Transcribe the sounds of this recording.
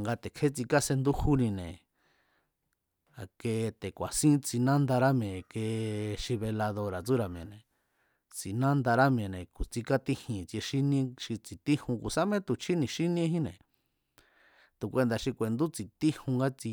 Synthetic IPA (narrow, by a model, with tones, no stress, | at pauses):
ŋɡa˧t̪e˨kʰe˦t͡si˧ka˦se˧nd̪u˦hu˦nĩ˧nẽ˨ | a˨ke˧t̪e˨kʷa˨sĩ˦t͡si˧nã˦nd̪a˧ɾa˦mẽ˨ke˧ʃi˧βe˧la˧ðo˧ɾa˨t͡su˦ɾa˨mẽ˨nẽ˨ | t͡si˨nã˦nd̪a˧ɾa˦m˧ẽ˨nẽ˨ku˨t͡si˧ka˦t̪i˦hĩ˨t͡si˧e˧ʃi˦nĩ˦ʃi˧t͡si˨t̪i˦hũ˧ku˨sa˦mẽ˦t̪u˨t͡ʃʰi˦nĩ˧ʃi˦nĩ˦ɦĩ˦nḛ̃˨ | t̪u˨kʷe˧nd̪a˧˨ʃi˧kʷe˨nd̪u˦t͡si˨t̪i˦hũ˧ŋɡa˦t͡si˧